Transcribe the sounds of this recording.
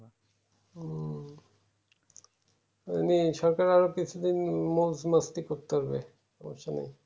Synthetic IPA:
ḛniʃɔɾkaɾaɾokit͡ɕʰud̪inmod͡ʑmast̪ikoɾt̪ːaɾbḛ | ɔmoʃanḛj

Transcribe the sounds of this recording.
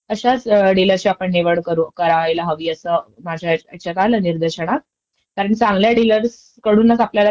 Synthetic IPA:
əɕat͡sɖiləɾt͡ɕiapəɳneʋəɽkəɾuːkəɾajlaɦəʋiːəsəːmad͡ʑʱjaek̚t͡ɕakaləniɾd̪əɕəɳ̃a | kaɾəɳt͡sãŋɡljaɖiləɾs | kəɽuːnːat͡sapljala

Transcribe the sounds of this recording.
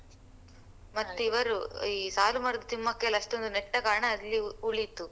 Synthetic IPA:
mɐt̪ːuiʋɐɾuiːsaːlumɐɾɐd̪ɐt̪imːɐkːeɐlɐʂʈond̪uneʈːɐkaːɾɳɐːlːiuɭit̪ːu

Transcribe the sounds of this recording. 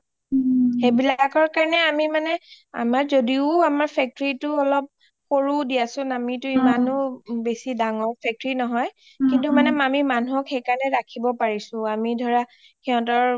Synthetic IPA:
xebilakɔɹkaɹɔnɛamimanɛ | a̰maɹzodiʊamaɹpʰɛk̚tɹitʊɔlɔp̚ | xoɹudijasʊnamitʊimanʊbesidaŋɔɹpʰɛk̚tɔɹinɔɦɔj | kintumanɛmamimanuɦɔkxejkaɹnɛɹakʰibɔpaɹisʊ̃amidʱɔɹa | kiɦɔ̃t̬ɔɹ

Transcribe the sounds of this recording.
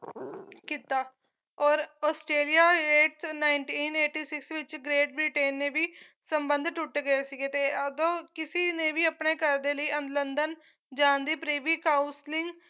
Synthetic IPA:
kit̪aː | ɔːɾɔːsʈɾeːlijaːeːʈsnaːɪɳʈiːneːʈiːsɪksʋɪt͡ʃɡɾeːʈ̚biʈeːnːẽːbʱiːsəmbə̃nd̪ʱʈʊʈɡəesiket̪eːəd̪õːkɪsinẽbʱiːəpneːkəɾd̪eːləiːə̃nd̪lənd̪ən | d͡ʒãːnd̪iːpɾiːbiːkaːʊslɪ̃ŋɡ

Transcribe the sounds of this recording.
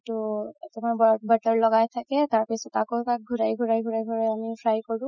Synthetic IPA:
tuetɛmabbatɔɹlɔɡajt̪ʰakɛt̪aɹpisɔtakotak̚ɡʱuɹajɡʱuɹajɡʱuɹajɡʱuɹajamipʰɹajkɔɹũ

